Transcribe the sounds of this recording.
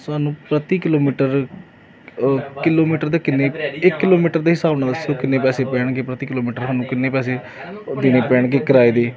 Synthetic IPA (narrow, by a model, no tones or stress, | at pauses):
saːnũːpɾət̪iːkɪloːmiːʈəɾ | kɪloːmiːʈəɾd̪eːkɪnːeːɪkːɪloːmiːʈəɾd̪eːɦɪsaːbnaːd̪əsːoːkɪnːeːpɛːseːpɛːɳkeːpɾət̪iːkɪloːmiːʈəɾɦaːnũːkɪnːẽːpɛːseː | d̪ɪneːpɛːɳkeːkəɾaːeːd̪eː